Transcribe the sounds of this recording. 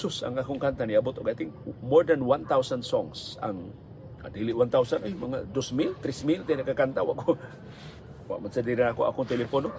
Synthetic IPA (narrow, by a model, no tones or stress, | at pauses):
sʊsa̰ŋakuŋkant̪aniabot̪okajt̪iŋmɔrdanwant̪ausansɔ̰ŋsa̰ŋ | a̰deliʔwant̪ausanɛhmaŋadosmilt̪ɾismilt̪inakəkant̪awa̰ʔko | wa̰ʔmənsədiɾanakua̰kʊŋt̪elefɔno